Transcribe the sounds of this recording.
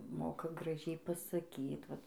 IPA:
ˈmoːkɐ ɡrɐˈʒʲɛɪ pɐsɐˈkʲiːt ˈʋɐt

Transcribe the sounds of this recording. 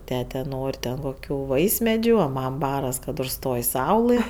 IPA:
ˈtʲæːtʲɛ ˈnoːrʲ tʲɛn koːˈkʲuː ˈʋɐɪsʲmʲɛd͡ʒʲʊ oː ˈmɐm ˈbɑːrɐs kɐt ʊʃˈstoːj ˈsɐʊlˠɘ

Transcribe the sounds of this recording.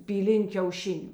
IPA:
pʲiːˈlʲɪnʲ kʲɛʊˈʃʲɪnʲʊ

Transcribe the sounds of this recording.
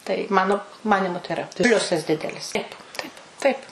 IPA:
tɐɪ ˈmɑːnoː ˈmɑːnʲɪmʊ tɐɪ ɪˈrɐ ˈpʲlʲʊsɐs ˈdʲɪdʲɛlʲɪs ˈtɐɪp ˈtɐɪp tɐɪp

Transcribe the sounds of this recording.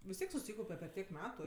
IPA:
ʋʲɪs ˈtʲiɛk sʊˈsʲiːkɐʊpʲɛ pʲɛr ˈtʲiɛk ˈmʲæːtʊ

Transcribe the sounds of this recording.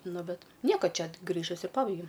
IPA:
ˈnʊ ˈbʲɛt ˈnʲiɛkoː ˈt͡ʃʲɛ ˈɡrʲiːʒʊsʲɪ ˈpɑːbɐɪɡʲɛʊ

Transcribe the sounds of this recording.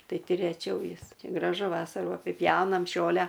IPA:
ˈtɐɪ ˈtʲɪ rʲɛˈt͡ʃʲɛʊ ˈjɪs ɡrɐˈʒʊ ˈʋɑːsɐruː ɐpʲɪˈpʲjɛʊnɐm ˈʒoːlʲɛ

